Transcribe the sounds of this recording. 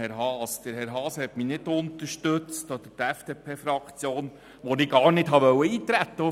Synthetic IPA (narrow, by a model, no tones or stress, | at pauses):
ɛɾɦɑːsd̥̪əɾhɛɾɦɑːshɛt̪minɪdʊnt̪əɾʃtɵt͡stɔd̥̪ətæfd̥eːpʰeːfɾɑkt͡sjoːn | ʋɔnɪɡɑːɾnɪtɦɑʋœwːəiːt̪ɾæt̪ːə